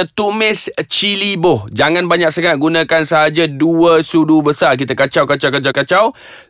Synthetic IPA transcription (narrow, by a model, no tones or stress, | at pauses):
ət̪umɪst͡ʃilibʊhd͡ʒaŋãnbaɲak̚səŋaʔ̚ɡunãkansəɦad͡ʒaduəsudubəsark̬it̪əkat͡ʃawkat͡ʃawkat͡ʃawkat͡ʃaw